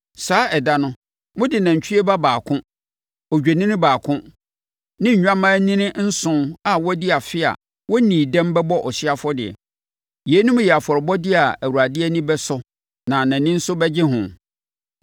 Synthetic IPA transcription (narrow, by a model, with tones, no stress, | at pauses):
saː˨˦ʔɛ˨da˨nʊ̃˦ | mʊ̃˦dɪ˨nã˨ɲ˨t͡ɕᶣɥe˦ba˦baː˨kʰʊ̃˦ | ɔ˨d͡ʑᶣe˨nĩ˦nɪ̃˦baː˨kʰʊ̃˦ | nɪ̃˦ɲ̩˨ɲᶣã˦mã˦nĩ˦nɪ̃˦n̩˦sʊ̃˨a˨wɔ˦dɪ˦a˨fɪ˦a̰˨ | wɔ˦nĩː˨dɛ̃˦mbɛ˦bɔ˦ʔɔ˨ɕi˦a˦fɔ˦dɪ̰˨ɛ̰˨ | je˨˦nũ˦m˦jɛ˨a˨fɔ˨ɾɔ˨bɔ˦dɪ˦a˨æ˨wu˨ɾa˨dɪ˦ɛ˦nĩ˦bɛ˦sʊ˦ | nã˨nã˨nɪ̃˦n̩˦sʊ˦bɛ˦d͡ʑɪ˦ɦʊ̰̃˨